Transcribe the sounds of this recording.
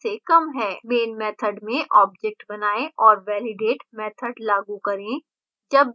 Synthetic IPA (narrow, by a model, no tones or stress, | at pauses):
sekɐmɦɛːbeːnmɛːt̪ʰəɖmẽʔɔːb̚d͡ʒɛk̚ʈbɐnaːeʔɔːɾʋɛːlɪɖeːʈmɛːt̪ʰəɖlaːɡukɐɾẽ | d͡ʒɐb